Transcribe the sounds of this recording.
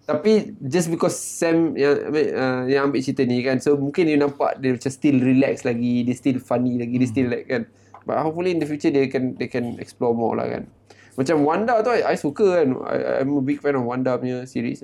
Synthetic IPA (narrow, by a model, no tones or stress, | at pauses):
t̪apid͡ʒasbikɔsːɛmjãŋa̰meʔəjãŋãmbɪʔt͡ʃit̪ənikansomũŋkɪnjunãmpa̰ʔdemat͡ʃãmst̪ilɹilɛkslaɡidest̪ilfanilaɡidest̪illakkːan | ba̰t̚hop̚fuliːndəfjut͡ʃədekɛndekɛnɛ̰ksplɔmɔ̰la̰ka̰n | mat͡ʃamwandat̪uajʔajsukəkana̰ja̰jməbiɡ̚fɛ̃nɔfwandamjəsḭɹḭs